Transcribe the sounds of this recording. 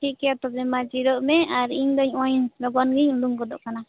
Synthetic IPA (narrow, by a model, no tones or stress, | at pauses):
ʈʰiʔkɛjat̪ɔbɛmad͡ʒiɾɔʔmɛaɾiɲd̪ɔɲɔɲnɾɔɡɔnɡiɲluŋkɔd̪ɔ̰ʔkana